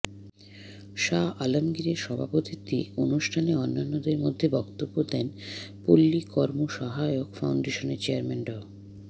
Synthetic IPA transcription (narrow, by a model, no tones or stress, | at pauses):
ʃaalomɡiɾeɾʃɔbʱapot̪it̪ḭonuʃʈʰaneɔnːanːod̪eɾmod̪ʱːebɔkt̪obːod̪ɛnpolːikɔɾmoʃɔɦajokfawɳɖeʃoneɾt͡ɕeaɾmanɖɔ